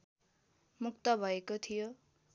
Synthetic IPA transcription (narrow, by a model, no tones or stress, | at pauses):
mukt̪ʌbʱʌekot̪ʰijo